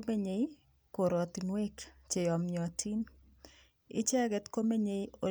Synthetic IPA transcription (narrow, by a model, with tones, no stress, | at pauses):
me˦ɲe˨j | ko˨ɾɔ˨t̪inwe˦kt͡ʃe˨jɔ˨mjɔ˨a˨ti˦n | ɪ̰˦t͡ʃɛ˦ɡɛ˦t̪ko˦me˦ɲe˨jo˨